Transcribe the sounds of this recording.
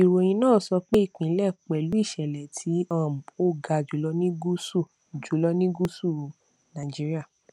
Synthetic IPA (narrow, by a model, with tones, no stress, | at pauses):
i˨ɾo˧j̃ĩ˧nãː˦˨sɔ˧k͡pe˦i˦˨k͡pĩ˨˦lɛ˦˨k͡pɛ˨lu˨˦i˦˨ʃɛ˨lɛ˨tʰi˨˦ã˦˨m̩˨o˦˨ɡa˧d͡ʒu˨˦lɔ˧˦nĩ˦ɡu˦su˦˨ | d͡ʒu˨˦lɔ˦nĩ˦ɡu˦su˦˨ | nã˨d͡ʒi˦ɾi˦a˦˨